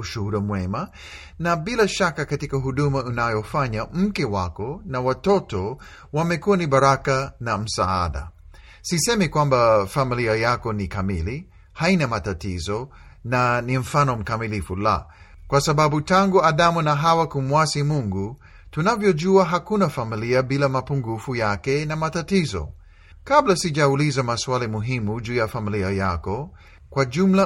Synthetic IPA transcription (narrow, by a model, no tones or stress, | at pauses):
uʃuhuɾumwɛma | nabilaʃakakatikaɦuɗumaunajɔfaɲam̩kɛwa̰kɔnawatɔtɔ | wamɛkuanibaɾakanam̩sa̰a̰ɗa̰ | sisɛmɛkwambafamiliajakɔnikamili | hainamatatizɔ | nanim̩fanɔm̩kamilifula̰ | kwasaɓaɓutaŋɡuaɗamunaɦawakumwasimuŋɡu | tunavjɔʄuaɦakunafamiliaɓilamapuŋɡufujakɛnamatatizɔ̰ | kablasiʄaulizamaswalimuɦimud͡ʒuːjafamiliajakɔ | kwaʄumla